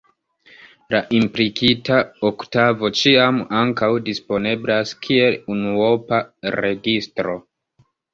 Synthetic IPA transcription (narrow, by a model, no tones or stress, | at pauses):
laʔimplikʰitaoktavo̞t͡ʃiamaŋkawdispo̞ne̞blaskʰie̞lunuopaɾe̞ɡistɾo̞